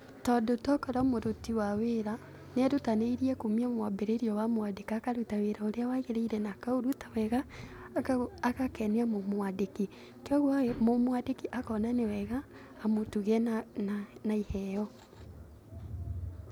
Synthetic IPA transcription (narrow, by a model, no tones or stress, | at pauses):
tɔːdotɔkɔɾamoɾotiwaweɾa | neaɾutaneiɾiɛkomiamwabeɾeɾiɔwamowadekakaɾutaweɾaoɾeawaɣeɾeiɾɛnakaoɾutḁwɛɣa | kakɛneamomwadeki | keɔɣwamomwadekiʔakɔnanewɛɣaː | motuɣɛnnanaihɛjɔ